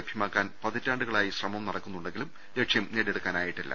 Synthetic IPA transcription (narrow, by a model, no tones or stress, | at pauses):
ɐbʰʱjɐmaːkːaːnpɐðɐtːaːɳɖuɣɐɭaːjiɕrɐmɐmnɐɽɐkːunːuɳɖe̞ŋɡilum | ɾeʈʂjɐmneːɽeɽukːaːnaːjiʈːilːɐ̰